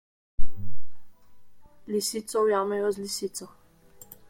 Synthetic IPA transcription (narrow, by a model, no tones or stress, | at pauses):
lisiːt̪sɔwjaːmɛjɔzlisiːt̪sɔ